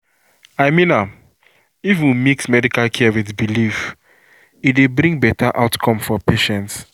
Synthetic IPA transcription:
aɪmĩna | ivũnmiksmɛdikalkʰiwiðbilif | itdebɾĩŋɡbɛtaʔaʊtkʰɔ̃mfɔpeʃɛ̃nts

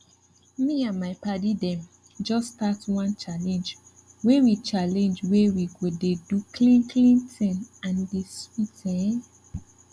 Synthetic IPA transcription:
miãnmaɪpadidɛ̃m | d͡ʒɔstatwãnt͡ʃalɛ̃nd͡ʒ | wewit͡ʃalɛ̃nd͡ʒwewiɡodedukʰlĩnkʰlĩntʰɛ̃nãndeswitʰɛ̃n

